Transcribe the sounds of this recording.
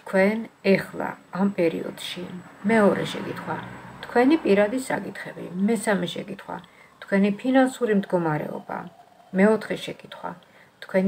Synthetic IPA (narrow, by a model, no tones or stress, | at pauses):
t̪ʰkʰwɛnɛχlˠa̰ːmpʼɛɾḭɔ̰d̪̥ʃimɛɔɾɛ̰ʃɛ̰kʼit̪ʰχwat̪ʰkʰwɛnipʼiɾad̪isa̰kʼit̪ʰχɛbḭmɛsamɛʃɛkʼit̪ʰχwa̰ | t̪ʰkʰwɛnipʰinansuɾimd̪ɡɔmaɾɛ̰ɔ̰ba̰ | mɛɔt̪ʰχɛʃɛkʼit̪ʰχwa̰ | t̪ʰkʰwɛn